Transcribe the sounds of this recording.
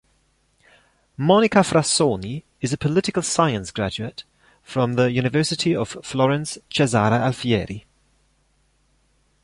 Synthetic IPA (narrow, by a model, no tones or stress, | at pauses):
mɒnɪkəfɹasoːni | ɪzəpʰəlɪtɪkəlˠsaɪə̃nsɡ̥ɹad͡ʒʉət | fɹə̃mðəjʉːñɪvɜˑsɪtʰiəv̥flɒɹə̃nst͡ʃɛzaːɾəalfiɛːɹi